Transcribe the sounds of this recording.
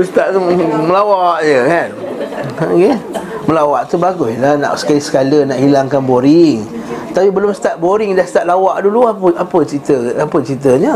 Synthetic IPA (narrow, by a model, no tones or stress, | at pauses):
sə̥t̪aʔt̪uməlawaʔjəkan | keməlawaʔt̪ubaɡʊslanã̰ʔsə̥kalisə̥kalənaʔhilaŋkanboɾɪŋt̪apibəlʊmsə̥t̪at̪̚boɾɪŋdahsə̥t̪at̪̚lawaʔduluapəapət͡ʃɾit̪əapət͡ʃɾit̪əɲə